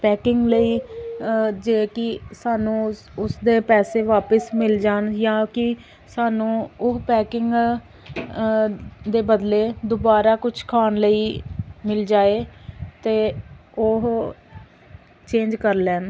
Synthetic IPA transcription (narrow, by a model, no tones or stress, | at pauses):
pɛːkɪŋɡləiː | d͡ʒeːkɪsaːnũː | ʊsd̪eːpɛːseːʋaːpəsmɪld͡ʒaːnjaːkɪ | saːnũːʊɦpɛːkɪŋɡ | d̪eːbəd̪leːd̪ʊbaːɾaːkʊt͡ʃʰkʰaːnləiːmɪld͡ʒaːeːt̪eːʊɦ | t͡ʃẽːɲd͡ʒkəɾlɛːn